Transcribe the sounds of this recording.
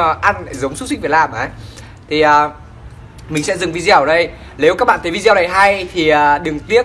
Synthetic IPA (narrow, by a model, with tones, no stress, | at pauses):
ʔa˧nla̰˧˨˩zə˨˦wŋ͡ms̚si̟˧vi˨˩laː˨˩mʔəː˨˩j | t̪ʰi˨˩ʔəː˨˩ | mï˨˩ŋ̟sɛ̰˧˥zɨ˨˩ŋvi˧zɛ˧wɗə˧j | ne˨˦wkaː˦˥k̚ɓa̰ː˧˨t̪ʰə˨˦vi˧zwna˨˩jɦa˧jt̪ʰi˨˩əː˨˩ɗɨ˨˩ŋt̪i˦˥ə